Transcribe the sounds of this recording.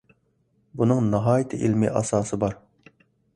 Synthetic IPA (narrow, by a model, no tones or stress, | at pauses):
bunɨŋnɨɦɑːjit̪ʰɪʔilmḭʔɑsɑːsɨbɑɾ